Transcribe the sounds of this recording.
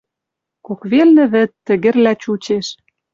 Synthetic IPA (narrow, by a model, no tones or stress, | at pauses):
kokβelnɘ̆βɘ̆t̪ːɘ̆ɣɘ̆rlæt͡ɕut͡ɕeʃ